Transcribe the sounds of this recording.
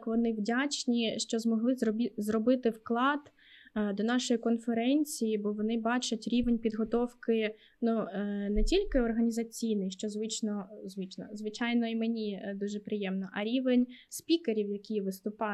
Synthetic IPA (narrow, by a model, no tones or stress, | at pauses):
kʋɔnɪwdʲat͡ʃnʲiʃt͡ʃɔzmɔɦlˠɪzɔizrɔbɪt̪ɪwklˠɑd̪̥ | d̪ɔnɑʃɔjikɔnfeɾɛnʲt͡sʲijibɔʋɔnɪbɑt͡ʃʊtʲɾʲiʋenʲpʲid̪ɦɔt̪ɔwkɪ | nunɛtʲilʲkɪɔrɦɐnʲizɐt͡sʲijnɛjʃt͡ʃɔzʋɪt͡ʃnɔzʋɪt͡ʃnɔ̰zʋɪt͡ʃɑjnɔimenʲid̪uʒɛpɾɪjɛmnɔʔɐɾʲiʋenʲspʲikeɾʲiwjɐkʲijʋɪst̪ʊpɑ